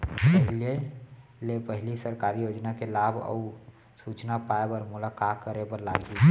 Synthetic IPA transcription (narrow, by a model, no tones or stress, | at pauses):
əɦlielepəɦɪlisəɾkaɾijod͡ʒnakelabʱə̰ | sut͡ʃnapaebəɾmʊlakatkəɾebəɾlaɡi